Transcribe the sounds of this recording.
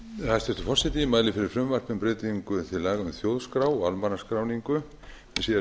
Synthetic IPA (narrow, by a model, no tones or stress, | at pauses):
θast̪ɛst̪afɔr̥sɛt̪iɪmaːðlɪfɪɾɪɾ̥fɾʏmvar̥pɪmpɾɪːt̪iŋkʏθɪlaːɣaʏmθjowðskɾawɔɣalmanaskɾawniŋkʏ | ɛsi